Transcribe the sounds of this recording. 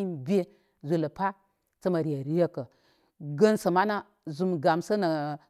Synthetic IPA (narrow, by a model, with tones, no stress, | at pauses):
i˦nbʲe˦ | zʷo˨lə˨pa˦ | t͡sə˦ma˨ɾi˨ja˨ɾi˦je˦kə˨ | ɡə˦nsa˨ma˦na˦ | zu˨mɡa˨msə˦na˨